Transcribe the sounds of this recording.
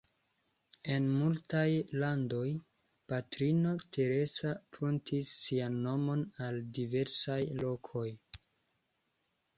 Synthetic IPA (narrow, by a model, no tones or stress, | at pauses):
e̞nmultajlando̞j | patɾino̞tʰe̞ɾe̞sapɾuntʰisːianːo̞mo̞naldive̞ɾsajlo̞kʰo̞j